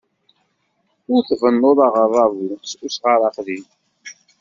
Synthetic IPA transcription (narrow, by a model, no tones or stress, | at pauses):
ʊɾθvənːʊɾˤɑʁəɾˤɑvususʁaɾˤɑqðin